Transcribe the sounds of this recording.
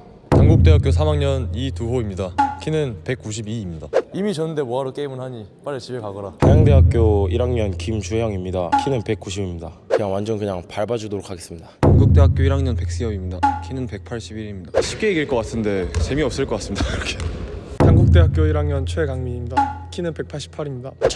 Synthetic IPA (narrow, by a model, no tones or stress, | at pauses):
taŋɡuk̚t͈e̞ɦak͈jos̬ʰamaŋɲʌnituɦoimɲidakʰinɯnpe̞k̚k͈uɕʰibiːmɲidaimit͡ɕʌnːɯnde̞moɦaɾok͈eimɯnɦaɲip͈aɾet͡ɕibekaɡʌɾatajaŋde̞ɦak̚k͈joiɾaŋɲʌnkimt͡ɕʰuɦjʌŋimɲidakʰinɯnpe̞k̚k͈uɕʰibimɲidakɯɲaŋwand͡ʑʌnkɯɲaŋpaɭbad͡ʑudoɾokʰaɡe̞s͈ɯmɲidaaŋɡuk̚t͈e̞ɦak͈joiɾaŋɲʌnpe̞k̚s͈ejʌimɲidakʰinɯnpe̞k̚pʰaɭɕ͈ʰibiɾimɲidaɕʰi̥p̚k͈e̞iɡiɭk͈ʌk͈atʰɯnde̞t͡ɕe̞miʌp̚s͈ɯɭk͈ʌk͈as͈ɯmɲidaɯɾʌkʰehanɡuk̚t͈e̞ɦak͈joiɾaŋɲʌnt͡ɕʰuekaŋmiɲimɲidakʰinɯnpe̞k̚pʰaɭɕ͈ʰi̥pʰaɾimɲidat͡ɕ